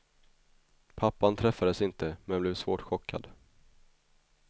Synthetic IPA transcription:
pʰapːant̪ʰɾɛfːad̪əsɪnt̪əmɛnblɪɛvsvoːʈɧɔkʰːa̰d̪

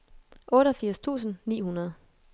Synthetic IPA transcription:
ʔɔ̽ːɾɒfiɐ̰st͡sʰṵːsn̩nḭːhunɐð̞̩ˠ

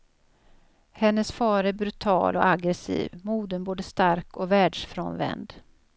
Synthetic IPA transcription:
hɛnːəsfɑːɾæɾbɾɵt̪ʰɑ̰ːlʔɔ̰ʔaɡɾɛsḭːvmuːd̪ənboːd̪əst̪aɾkɔvæːɖʂfɾoːnvɛ̰nd̪

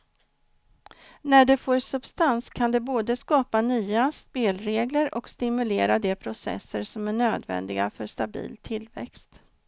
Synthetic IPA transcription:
næɖɛfoːɾsɵbst̪anskʰand̪ɛboːd̪əskɑːpanyːaspeːlɾeːɡləɾʔɔkst̪ɪmɵleːɾad̪ɛpʰɾʊsɛ̰sːəɾsɔmæɳøːd̪vɛ̰nd̪ɪɡa̰fœʂt̪abḭːlt̪ʰɪlːvɛ̰kst̪

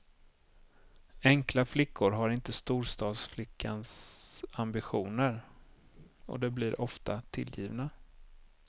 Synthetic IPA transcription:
ɛŋklaflɪkːʊɾɦaɾɪnt̪əst̪uːɾʂt̪ɑːd̪sflɪkʰːansambɪɧuːnəɾ | ɔ̰d̪ɛblɪɾʔɔft̪ʰat̪ʰɪ̰ljḭːvna

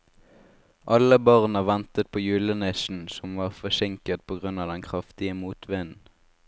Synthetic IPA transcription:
ʔɑləbɑʁnəʋɛnt̪ət̪̚pʰoːjʉːlənɛʃn̩sɔmʋɑːʁfɔʃɪŋkət̪̚pʰoːɡʁʉnɑːd̪ɛnkʰʁɑft̪ɪəmuːt̪ʰʋɪnn̩

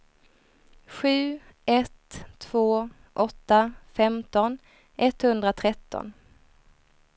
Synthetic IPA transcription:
ɧʉ̟ː | ʔɛt̪ʰːv̥oː | ʔɔt̪ːafɛmt̪ɔn | ʔɛt̪hɵnd̪ɾat̪ʰɾɛt̪ʰːɔ̰n

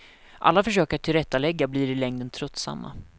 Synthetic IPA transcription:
ʔa̰lːafœʂøːkəʈʰɪlɾɛt̪ːalɛɡːabliːɖɪlɛŋd̪ənt̪ʰɾɵt̪ːsa̰mːa̰

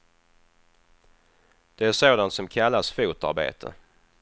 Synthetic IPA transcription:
d̪̥ɛæʂoːd̪ant̪sɔmkʰalːasfuːt̪a̰ɾbḛːt̪ʰə̰

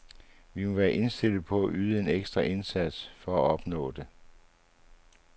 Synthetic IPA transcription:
ʋimɔ̽ʋæːɐʔe̝nsd̥e̝l̰ð̩ˠpʰɒ̽æʔyːð̞̩ˠəe̝neɡ̥sd̥ʁɐʔe̝nsæd̥sfɒ̽æɒ̽b̥nɔ̰̽ːd̥e̝

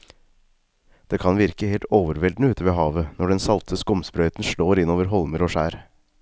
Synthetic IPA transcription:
d̪̥eːkʰɑnʋɪɾkəheːlt̪oːʋəɾʋɛld̪nəʉːt̪ʰəʋeːɦɑːʋənɔɖɛnsɑlt̪ʰəskɔmspɾœʏt̪n̩ʃloːɾɪnoːʋəɾɦɔlməɾoːʃæːɾ

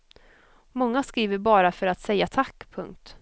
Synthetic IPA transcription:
mɔŋːaskɾiːvəɾbɑːɾafœɾat̪sɛjːat̪ʰakːpʰɵŋk̚t̪

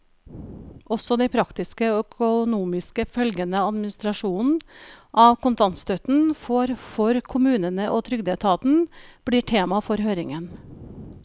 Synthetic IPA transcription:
ʔɔsɔd̪ɛɪpʰɾɑkt̪ɪskəoːœkʰʊnuːmɪskəfœlɡənəɑd̪mɪnɪst̪ɾɑʂuːnn̩ʔɑːʋkʊnt̪ɑnst̪œt̪n̩foɾfɔɾkʰʊmʉːnənəʔoːt̪ʰɾʏɡd̪et̪ʰɑːt̪n̩b̥ɽiːʈʰeːmɑfɔɾhøːɾɪŋən

